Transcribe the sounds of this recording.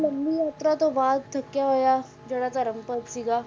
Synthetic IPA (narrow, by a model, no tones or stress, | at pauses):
lɐmːijaːt̪ɾat̪oʋaːd̪̚t̪ʰɐkːjaɦoːja | d͡ʒəɽat͡saɾɐmpəb̪siɡaː